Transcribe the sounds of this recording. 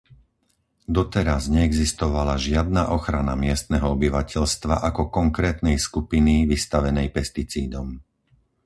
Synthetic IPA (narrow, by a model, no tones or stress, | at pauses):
d̪ɔt̪ɛɾazɲɛɛɡzist̪ɔʋalaʒɪad̪naʔɔxɾana̰mɪɛst̪nɛɦɔɔbiʋacʰɛʎst̪ʋa̰ʔakɔkɔŋkɾɛːt̪nɛjskupiniʋist̪aʋɛnɛjpɛst̪it͡siːd̪ɔm